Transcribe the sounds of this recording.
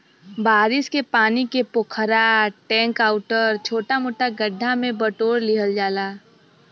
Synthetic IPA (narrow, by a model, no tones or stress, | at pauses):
baːɾɪskepaːnikepʊkʰəɾaʈɛ̃ːŋkaːʊʈəɾt͡ʃʰoːʈamoːʈaɡəɖʱːamẽbəʈoːɾlɪɦəld͡ʒaːlaː